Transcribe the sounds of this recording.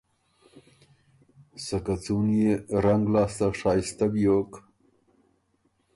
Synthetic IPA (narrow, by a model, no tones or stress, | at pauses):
sakat͡sunjeɾaŋɡlɑːst̪aʂɑːjist̪abijok